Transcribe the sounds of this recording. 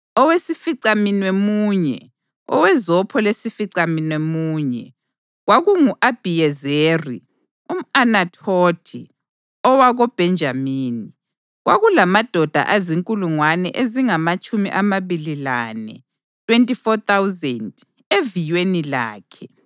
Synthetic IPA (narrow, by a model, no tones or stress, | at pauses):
ɔwesifiǀaminwemuɲɛ̰ | ɔ̰wɛzɔpʰɔlesifiǀaminwemuːɲɛ̰ | ɣwaɣuŋuʔab̥ʱijɛzeri | um̩anatʰotʰḭ | ɔwaɣɔb̥ʱɛnd͡ʒʱamiːni | ɣwaɣulamad̥ʱɔd̥ʱa̰ʔaziŋkʼuluŋwanɛʔeziŋamat͡ʃʼumiʔamaβililanɛ̰ | tʼwentʼifɔt̪awzɛnd | evijwenila̰ːkʰɛ